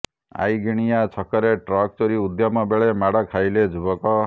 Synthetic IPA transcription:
a̰jɡiɽ̃ijat͡ʃʰɔkɔɾeʈɾɔk̚t͡ʃoɾiud̪jɔmɔbeɭemaɽɔkʰajled͡ʒubɔkɔ

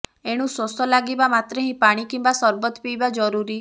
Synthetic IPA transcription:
eɽ̃ũsosɔlaɡibamat̪ɾeɦĩpaɽ̃ikĩmbasɔɾbɔt̪pibad͡ʒɔɾuɾi

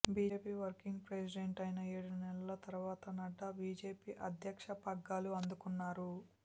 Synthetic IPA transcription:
biːd͡ʒeːpiːʋɐɾkiŋɡpɾesiɖeɳʈɐjnɐeːɽunɛlɐlɐt̪ɐɾuʋaːt̪ɐnɐɖːɐbiːd͡ʒeːpiːʔɐd̪ʱjɐkʂɐpɐɡːaːluɐnd̪ukunːaːɾu

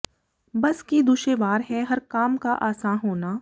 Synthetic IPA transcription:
bɐskid̪uʃeʋaːɾɦɛɦɐɾkaːmkaʔaːsaɦoːnaː

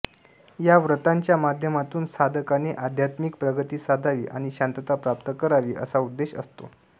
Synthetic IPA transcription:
jaʋɾət̪aɲt͡ɕjamad̪ʱjəmat̪uːnsad̪ʱəkaneʔad̪ʱjat̪mik̚pɾəɡət̪iːsad̪ʱaʋḭːʔaɽ̃iɕant̪ət̪apɾap̚t̪əkəɾaʋḭːʔə̰saud̪ːeɕə̰st̪o̰

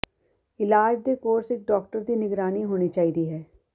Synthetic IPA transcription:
ɪlaːd͡ʒd̪ekoːɾseːk̚ɖɔːkʈəɾd̪inɪɡɾaːniɦoːnit͡ʃaːɦid̪iɦɛː

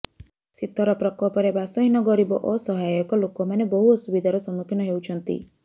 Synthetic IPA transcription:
sit̪ʰːɔɾɔpɾɔkɔpɔɾebasɔɦinɔɡɔɾibɔʔosɔɦajɔkɔlokɔmanebɔɦuɔsubid̪ʱaɾɔsɔmukʰinɔɦewt͡ʃʰɔnt̪ḭ

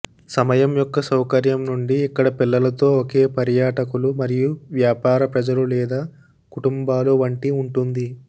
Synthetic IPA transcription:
sɐmɐjɐmjɔkːɐsɐwkɐɾjɐmnuɳɖiːkːɐɽɐpilːɐlɐt̪o̞ːokeːpɐɾjaːʈɐkulumɐɾijuʋjaːpaːɾɐpɾɐd͡ʒɐlulɛːd̪aː | kuʈumbaːluʋɐɳʈiuɳʈund̪i

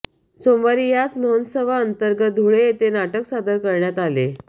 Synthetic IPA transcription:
somʋaɾiːjat͡sməɦonsəʋaənt̪əɾɡət̪̚d̪ʱuɭeet̪enaʈəksad̪əɾkəɾɳjat̪ale

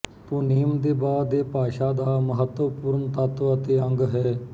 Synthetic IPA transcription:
puniːəmd̪eːbaːd̪eːpaːʃaːd̪aːməɦət̪ʋəpuːɾnt̪ət̪ʋət̪eːəŋɡɦɛː

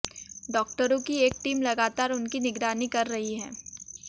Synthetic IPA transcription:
ɖɔːk̚ʈəɾõkieːk̚ʈiːmlɐɡaːt̪aːɾʊnkinɪɡɾaːnikɐɾːɐɦiɦɛ̃ː

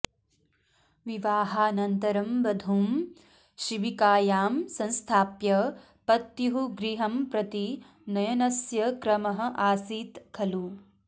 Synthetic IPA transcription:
ʋiʋaːɦaːnɐnt̪ɐɾɐmbɐd̪ʱum | ʃiʋikaːjaːmsɐ̃nst̪ʰaːpjɐ | pɐt̪juɦuɡɾiɦɐmpɾɐt̪i | nɐjɐnɐsjɐkɾɐmɐɦɐ̆ʔaːsiːt̪kʰɐlu

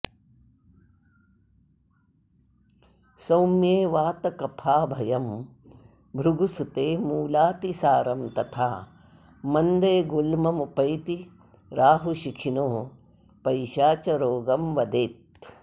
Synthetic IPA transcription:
sɐwmjeːʋaːt̪ɐkɐpʰaːbʱɐjɐm | bʱɾuɡusut̪eːmuːlaːt̪isaːɾɐmt̪ɐt̪ʰaː | mɐnd̪eːɡulmɐmupɐjt̪i | ɾaːɦuʃikʰinoː | pɐjʃaːt͡ʃɐɾoːɡɐmʋɐd̪eːt̪

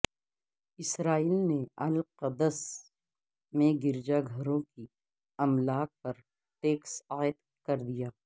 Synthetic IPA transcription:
ɪsɾaːiːlneɐlqɐd̪əs | mẽɡɪɾd͡ʒaɡʱɐɾõki | ɐmlaːk̚pɐɾ | ʈeːksaːɪd̪ | kɐɾd̪ijaː

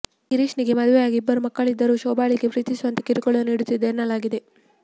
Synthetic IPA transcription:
iɾiːʂniɡe̞mɐd̪ʋɛjaːɡiːbːɐɾumɐkːɐɭid̪ːɐɾuːʃɔːbaːɭiɡe̞pɾiːt̪isuʋɐnt̪e̥kiɾukoɭuniːɽut̪ːid̪eenːɐlaːɡid̪e

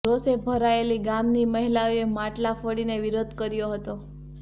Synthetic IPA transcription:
ɾosebʱəɾaeliɡamniməɦilaoemãʈlafəɽineʋiɾod̪ʱkəɾjoɦət̪o

